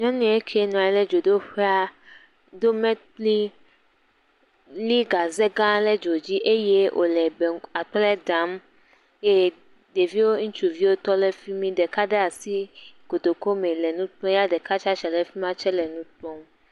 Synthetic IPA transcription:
ɲɔ̃˦nũ˦e˦kʰɛ˦nɔ̃˨a˨ɛ˨˦le˦d͡ʒo˨d̪o˦ɸe˦a˦ | d̪o˦mɛ̃˦t̪̚li˦ | li˦ɡa˨ze˦ɡã˦le˦d͡ʒo˨d͡ʑi˦ʔe˦je˦ʔo̰˨lɛ˨bɛ˨a˨tɔ˦lɛ˦dã˨˦m | je˦ | de˨vi˦wo˦ŋũ˦t͡ʃu˨vi˦wo˦t̪ɔ˦lɛ˦fi˦mĩ˦ɖɛ˨ka˦ɖe˦a˨si˦ɡ̥o˨d̪o˨ko˦mẽ˨lɛ˨nũ˦t̪ɔ̃˦ja˦ɖɛ˨ka˦t͡ʃa˦t͡ʃɛ˨lɛ˦fi˦m˦ã˦t͡ʃɛ˦lɛ˨nũ˦tɔ̃˦m

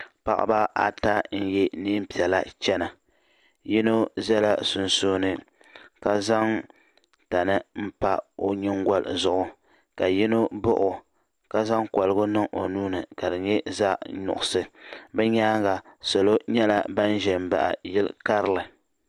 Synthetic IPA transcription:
pa̰˨ʔa̰˦ba˦ʔa̰˦ta˦n̩˦jɛ˦niː˦m̩˦pi˨ɛ˨la˦t͡ʃɛ˦na˨ | ji˦no˦zɛ˦la˦sʊ˨nso˦nɨ˦ | ka˦za˦ŋ | ta˨nɨ˦m̩˦pa˦o˦ɲɪ˦ŋɡa˦l̰zʊ˨ʔʊ˨ | ka˨jɪ˦no˦bʊ˦ʔʊ˨ | ka˦za˦ŋkɔ˨lɨ˦ɡʊ˦nɨ˦ŋʔo˨nuː˦nɨ˨ka˨dɨ˨ɲɛ˦za˦ɲʊ̰˨ʔʊ˨sɨ˨bɛ˦ɲaː˦ɡa˨so˨lo˦ɲɛ˦la˦ba˦n˦ʒɛ˨m˨ba̰˨ʔa̰˨jɪ˦lka˦ɾɨ˦˨lɨ˨

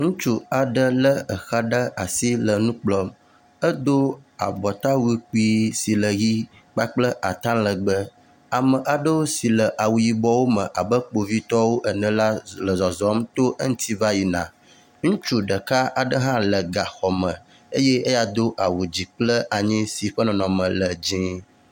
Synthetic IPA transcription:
ŋũ˦t͡ʃu˦a˨ɖə˦lə˦ə˨xa˦ɖə˦a˨si˦lə˨nũ˦k͡plɔ˦m | ə˦d̪o˦a̰˨bɔ˨t̪a˦wu˦i˦k͡pi˦si˨lə˨ɣi˦ | k͡pa˦k͡plə˦ʔa˨t̪ã˦lə˨ɡ͡bə˦ | a˨mə̃˨ʔa˨ɖə˦wo˦si˨lə˨ʔa˨wu˨ji˨bɔ˦wo˦mə̃˨ʔa˨bə˦k͡po˨vi˦t̪ɔ˦wo˦ʔə˨nə̃˨la˦lə˨zɔ˨zɔ˨˦mt̪o˦ʔə˦ŋ̩̃˦t̪ʰi˦va˦ji˨nã̰˨ | ŋũ˦t͡ʃu˦ɖə˨ka˦ʔa˨ɖə˦ɦã˦lə˨ɡa˨xɔ˨mə̃˨ | ə˦je˦ə˦ja˨d̪o˦ʔa˨wu˨d͡ʑi˨k͡plə˦ʔa˨ɲĩ˦si˨ɸə˦nɔ̃˨nɔ̃˨mə̃˨lə˨d͡ʑĩ˦

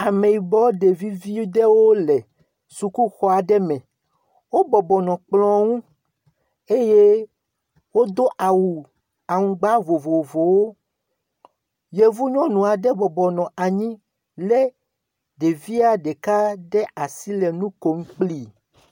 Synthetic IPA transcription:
a˨me˨i˨bɔ˦ɖe˨vi˦vi˦ɖɛ˦wo˦lɛ˨ | su˨ku˦xɔ˦a˨ɖɛ˦mɛ̃˨ | wo˦bɔ˨bɔ˨nɔ̃˨k͡plɔ̃˦ŋũ˦ | e˦je˦ | wo˦d̪o˦ʔa˨wu˨ | a˨ŋũ˨ɡ͡ba˦vo˨vo˨vo˨wo˦ | je˦vu˦ɲɔ̃˦nũ˨a˨ɖɛ˦bɔ˨bɔ˨nɔ̃˨ʔa˨ɲĩ˦ | le˦ | ɖe˨vi˦a˦ɖe˨ka˦ɖɛ˦a˨si˦lɛ˨nũ˦ko˨˦ŋ̩˦k͡pli˦˨

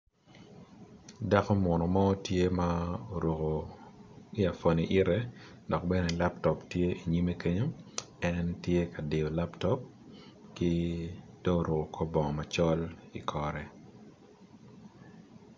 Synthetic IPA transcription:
da˦kɔ˦mwɔ˨nɔ˨mɔ˦tje˦ma˦o˨ɾo˨ko˨ | i˦a˨fo˨ni˨ʔi˦ɾɛ˦ | dɔ˨kbɛ˦nɛ˨la˦ptɔ˨ptje˦i˨ɲi˦me˦ke˦ɲo˦ | ɛntje˦ka˨de˨o˨la˦ptɔ˦p̚ | kɪ˦d̥ɔ˦o˨ɾo˨ko˨kʰo˦bɔ˨ŋɔ˨ma˨t͡ʃɔ˦lḭ˨kʰɔ˨ɾɛ˨

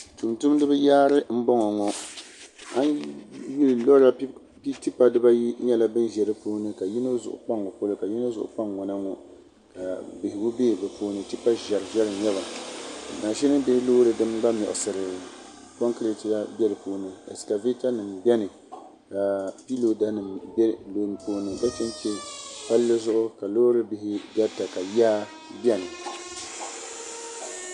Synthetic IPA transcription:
tu˨mtu˦mdɨ˦bɨ˦jaː˦ɾɨ˦m̩˦bɔ˦ŋɔ˨ŋɔ˦ | a˦nji˦lɨ˨lɔ˦ɾa˦ | pi˦ti˦pa˦dɨ˦ba˦ji˦ɲɛ˦la˦bɨ˦nʒɛ˨ɾɨ˦poː˦nɨ˦ka˨ji˦no˦zʊ̰˨ʔʊ̰˨k͡pa˦ŋːɔ˨po˦lɨ˦ka˨ji˦no˦zʊ̰˨ʔʊ̰˨k͡pa˦ŋːɔ˨na˦ŋɔ˨ | ka˨bɪ˨hɪ˨ɡo˦be˦˨bɛ˨poː˦nɨ˨ti˦pa˦ʒɛ˨ɾɨ˨ʒɛ˦ɾɨ˨ɲɛ˦βa˨naː˨ʃɛ˦nɨ˦bɪ˦hɪ˦loː˦ɾɨ˨dɨ˦mɡ͡ba˦mɔ̰˨ʔʊ˨sɨ˨ɾɨ˨ | ko˦ŋkɨ˦ɾi˦ti˨la˦bjɛ˦lɨ˨poː˦nɨ˨ɛ̰˨ska˨ve˦ta˦nɨ˨mbɛ˦nɨ˨ | ka˨pi˦lo˦da˦nɨ˨m˦lo˨poː˦nɨ˨ba˦t͡ʃɛ˦n˦t͡ʃɛ˦pa˦lːɨ˦zʊ˦ʔʊ˦ka˨loː˦ɾɨ˦bɪ˨hɪ˦da˦ta˨ka˨jaː˦ | bɛ˦nɨ˨

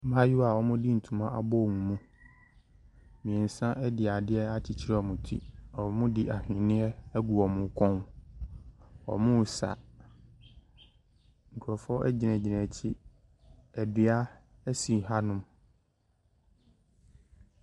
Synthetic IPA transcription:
mã˦ju˦wa˨wɔ˦mʊ̃˦di˦n̩˨tʰũ˨mã˦ʔa̰˨bɔ˦˨ŋũ˨mũ˦ | mĩ˨ɛ̃˨n̩˨sã˦ʔɛ˦dɪ˨a˨dɪ˦ɛ˦a˦t͡ɕʰi˨t͡ɕʰi˦ɾɛ˦ɔ˨mʊ̃˨tʰḭ˦ɔ˨mʊ̃˦di˦ʔa˨hᶣɪ̃˨nɪ̃˦ɛ˦ɛ˦ɡu˨ɔ˨mʊ̃˨˦kʰɔ̃˦n | ɔ̰˨mʊ̃˦˨sa̰˨ | ŋ̩˨kʰʊ˨ɔ˨fɔ˦ʔɛ˦d͡ʑɪ˨nɛ̃˨d͡ʑɪ˨nɛ̃˨t͡ɕʰi˦ | ɛ˨dɪ˨a˦ɛ˦sĩ˨ɦa˦nʊ̃˦m

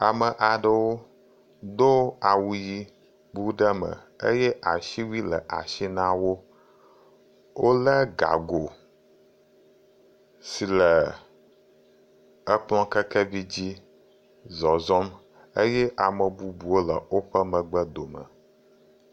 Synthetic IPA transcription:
a˨mə˨ʔa˨ɖə˦wo˦ | d̪o˦a˨wu˨ji˦ | bu˦ɖə˦mə̰˨ | ə̰˦jɛ˦ʔa˨ʃi˦wi˦lə˨ʔa̰˨ʃi˦nã˦wo˦ | wo˦lə˦ɡa̰˨ɡo˨ | si˨lə˨ | ə˦k͡pl̃ɔ̃˦kə˦kɛ˦vi˦d͡ʑi˦ | zɔ˨zɔ˦m | ə˦jɛ˦ʔa˨mə˨bu˦bu˨wo˦lə̰˨wo˦ɸə˦mə̃˨ɡ͡bə˦d̪o˨mə̰˨

